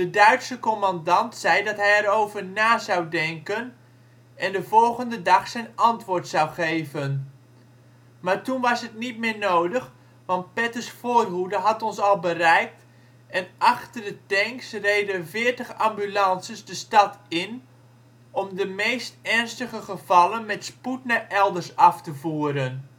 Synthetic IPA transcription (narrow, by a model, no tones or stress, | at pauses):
dədœɥtsəkɔmɑndɑntsɛjdɑtɦɛjɛɾowvəɹnaːzɑwdɛŋkən | ʔɛndəvɔlˠχəndədɑχsɛjnɑntʋʊːɹtsɑwχejvən | maːɹtunʋɑsɦətnit̚mɪːɹnowdəχ | ʋɑnt̚pɛtəsfoːrɦudəɦɑtɔnsɑlˠbərɛjk̚t | ɛnʔɑχtərdətɛŋksrejdəvɪːɹtəχambylɑnsəsdəstɑtɪn | ɔmdəmejstɛɹnstəχəχəv̥ɑlənmɛtsputnaʔɛlˠdəɹsɑftəvuːɾən